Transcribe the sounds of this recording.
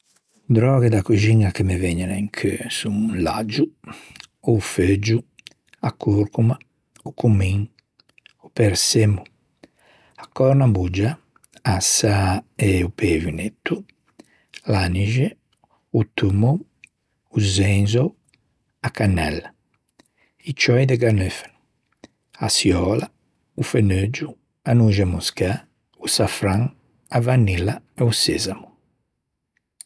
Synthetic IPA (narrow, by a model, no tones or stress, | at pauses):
d̪ɾɔːɡɛd̪akuʒiŋakemevɛɲːɛnɛŋkʰesumula̰d͡ʒu | ufed͡ʒu | akːuɾkuma | ukumiŋ | upɛɾsemu | akːɔɾnabud͡ʒa | asːaɛupʰevjunet̪ːu | laniʒe | ut̪umo | uzɛnzow | akanːɛ̰lːa | it͡ʃɔjd̪ɛɡanøfe̥nu | a̰sjɔːla | ufenød͡ʒu | anuʒamuska | usafɾaŋ | avanːilːaɛusḛzamu